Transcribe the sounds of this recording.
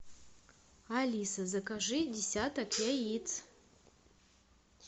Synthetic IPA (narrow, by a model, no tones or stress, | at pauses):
alʲisazakaʐɨdʲesʲatakjajit͡sʰ